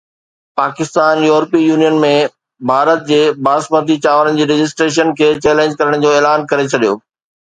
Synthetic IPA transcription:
paːkɪst̪aːnjuːɾpijuːnijənmẽ | bʱaːɾət̪̚d͡ʑeːbaːsməd̪it͡ɕaːʋəɾənɪ̆d͡ʑiːɾɪd͡ʑɪs̬ʈɾeːʃ̬ənkʰeːt͡ɕeːlẽːɲd͡ʑkɐɾəɽ̃d͡ʑoːeːlaːnkɐɾet͡ɕʰɐɗijo̰ː

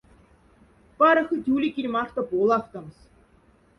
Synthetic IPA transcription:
pɑɾɤ̆xɤ̆t̪ʲulʲikʲilʲmɑrt̪ɤ̆polˠɑft̪ɤ̆ms

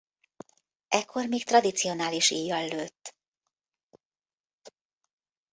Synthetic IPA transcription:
ʔɛkʰːo̞rmiːkt̪rɒd̪it̪sio̞naːliʃiːjːɒlːøːt̪ː

